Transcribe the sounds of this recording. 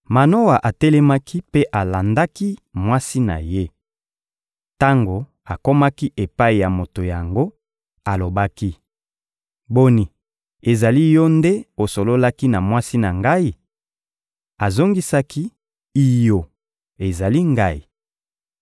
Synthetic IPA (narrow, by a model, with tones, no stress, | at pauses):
ma˨no˦wa˨ʔa˨tɛ˦lɛ˦ma˦kʰi˦pe˦ʔa˨la˨nda˦ki˦mwa˦si˦na̰˨je˦ | ta˦ŋɡo˨ | a˨ko˦ma˦ki˦ʔe˨pa˦i˨ja˨mo˨to˨ja˨ŋɡo˦ | a˨lo˨ba˦ki˦ | bo˦ni˨ | e˨za˨li˦jɔ˦nde˦o˨so˨lo˦la˦ki˦na˨mwa˦si˦na˨ŋɡa˦i˦ | a˨zo˦ŋɡi˦sa˦ki˦ | i˦jo˨ | e˨za˨li˦ŋɡa˦i˨